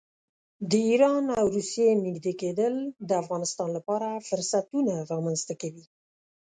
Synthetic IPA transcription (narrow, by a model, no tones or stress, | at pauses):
d̪əiɾɑnawɾusjemiɡd̪eked̪əld̪əafɣɑnɪst̪ɑnlapɑɾafʊɾsat̪unaɾɑɣmanzt̪akawi